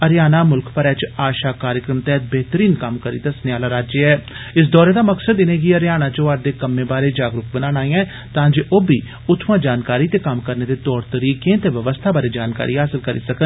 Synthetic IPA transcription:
əɾjaːnaːmʊlkʰpəɾɛːt͡ʃaːʃaːkaːɾjəkɾəmt̪ɛːt̪̚bɛɦt̪əɾiːnkəmkəɾḭːt̪aːsənejaːlaːɾaːd͡ʒeɛː | ɪs̬d̪ɔːɾeːd̪aːməksəd̪ɪneːɡiəɾjaːnaːt͡ʃoːaːɾd̪eːkəmːẽːbaːɾeːd͡ʒaːɡɾʊkbənaːnaːĩːãː | t̪ãːd͡ʒeːʔoːbʱiː | ʊt̪ʰʋãːd͡ʒaːnkaːɾiːt̪eːkəmkəɾneːd̪eːt̪ɔːɾt̪əɾiːkẽːt̪eːʋəʋəst̪ʰaːbaːɾeːd͡ʒaːnka̰ːɾiːɦaːsɪlkəɾḭːsəkən

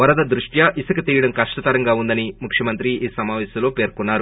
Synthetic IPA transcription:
ʋɐɾɐd̪ɐd̪ɾuʂʈjɐʔisɐkɐt̪iːjɐɽɐmkɐʂʈɐt̪ɐɾɐŋɡaːund̪ɐnimukʰʂjɐmɐnt̪ɾiʔiːsɐmaːʋɛːsɐmlo̞ːpe̞ːɾkunːaːɾu

